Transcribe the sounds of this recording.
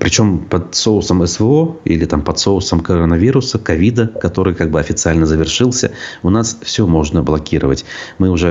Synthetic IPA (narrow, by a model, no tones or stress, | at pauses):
pɾʲɪt͡ɕo̞mpɐt̪soʊsəmɛsvəoḭlʲɪt̪ampɐt̪soʊsəmkəɾənɐvʲiɾʊsəkɐvʲid̪əkɐt̪o̞ɾɨjkaɡ̚bɨɐfʲɪt̪sɨalʲnəzəvʲɪrʂɨlˠsʲəʊnasfsʲɵmo̞ʐnəblˠɐkʲiɾəvətʲmɨʊʐɛ